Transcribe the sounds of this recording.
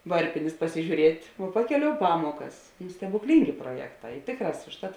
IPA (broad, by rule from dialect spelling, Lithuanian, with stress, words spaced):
ˈʋɐrʲpʲɪnʲeːs pɐsʲɪʒʲuːˈrʲiɛtʲ ʋoː ˈpɑːkʲɛˌlʲoːʊ ˈpɑːmuɔkɐs nʊ sʲtʲɛbʊkˈlʲiːŋʲɡʲeː pruɔˈjæːkˌtɑː ɪ ˈtʲeːkˌrɑːs ʊʃˈtɐt